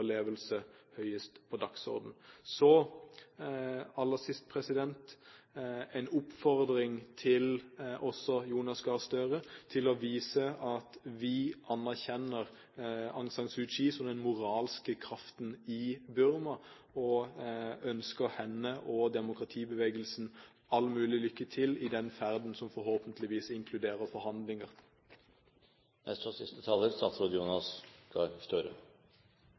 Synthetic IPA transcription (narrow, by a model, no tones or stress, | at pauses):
əleːʋəlsəhœʏəst̪pʰɔd̪ɑksɔ̰ʁd̪n̩sɔ | ɑlːəsɪst̪pʰɾɛsɪd̪ɛnt̪ | ɛɪnʊpfɔʁd̪ɾɪŋt̪ʰɪlʔɔsːɔjuːnɑsɡɑːʁst̪øɾət̪ʰɪlɔʋiːsəɑt̪ʋɪʔɑnːæʁçɛnəʁ | ɑŋsɑŋsʉʃiːsɔmd̪ɛnmʊʁɑːlskəkʰʁɑft̪nɪbʉɾmɑ | ɔ | œnskəʁhɛnːəʔɔd̪ɛmʊkʁɑt̪ʰiːbəʋeːɡəlsn̩ | ɑlːəmʉːlɪlʏkːət̪ʰɪlɪd̪ɛnfæʁd̪n̩sɔmfɔɾhoːpənt̪ʰlɪʋiːsɪŋkʰlʉd̪eːɾəʁfɔɾhɑnd̪lɪŋəʁ | nʔɛ̰st̪ɔsɪst̪ət̪ʰɑːləɾst̪ɑt̪sɾuːd̪juːnɑskɑst̪øːɾə̰